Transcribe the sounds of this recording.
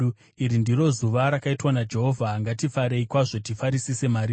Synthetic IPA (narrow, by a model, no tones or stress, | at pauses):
iɾindiro̞zuʋaɾakaitwanad͡ʒe̞ɦo̞vʱaːŋɡatifaɾeikwaʐo̞tifaɾisise̞maɾiː